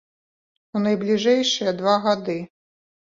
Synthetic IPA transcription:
unɐjblʲiʐɛjʂɨjɐd̪vaɣad̪ɨ

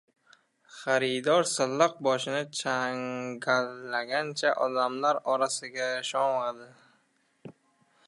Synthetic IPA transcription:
χaɾɪd̪ɒɾsɪlːɑq̚bɒʃɪnɪt͡ʃʰaŋɡalːaɡʲant͡ʃʰaʔɒd̪amlaɾɒɾasɪɡʲaʃɒŋad̪ɪ

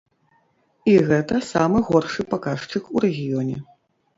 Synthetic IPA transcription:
iɣɛt̪ɐsamɨɣɔrʂɨpakaʂt͡ʂɨkuɾɛɣʲijɔnʲɛ

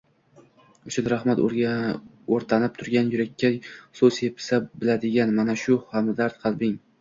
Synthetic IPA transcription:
ʊʃɪnɾahmat̪ | oɾt̪ʰanɪp̚t̪ʰʊɾɡʲanjʊɾakʲʰːasozepʰɪ̥sabɪlad̪ɪɡʲanmanaʃʊhamɪd̪aɾt̪̚qʰɨlˠbɪŋ

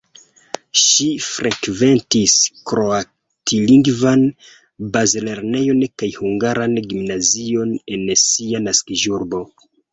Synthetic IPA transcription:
ʃifɾʔekve̞ntiskɾo̞a | tʰiliŋɡvan | bazle̞ɾne̞jo̞nkajhuŋɡaɾanɡimnazio̞ne̞nsianaskiʒuɾbo̞

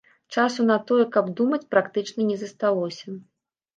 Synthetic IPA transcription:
t͡ʂasunɐt̪ɔjɛkɐbd̪umɐt͡sʲpɾakt̪ɨt͡ʂnɐnʲɛzɐst̪alˠɔsʲɐ

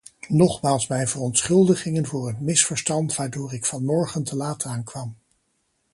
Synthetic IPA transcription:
nɔχmaːlˠsmɛjnvərɔntsχɵlˠdəχɪŋənvʊːɹɦətmɪsfəɹstɑntʋaːɹdʊːɹɪkfɑnmɔɹχəntʰəlaːtəaːnkʋɑm

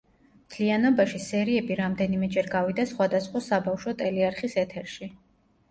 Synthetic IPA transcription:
mt̪ʰlianɔbaʃisɛɾiɛbiɾamd̪ɛnimɛd͡ʒɛɾɡavid̪asχwad̪asχwasabafʃɔt̪ʼɛliaɾχisɛt̪ʰɛɾʃi

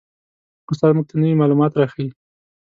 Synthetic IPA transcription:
kʊst̪ɑɾmuɡ̚t̪ənəwimɑlumɑt̪ɾɑxawi

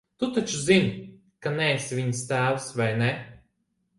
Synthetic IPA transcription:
t̪ut̪at͡ʃuzinʲ | kanɛsʲvʲiɲst̪æːwsvajnɛ

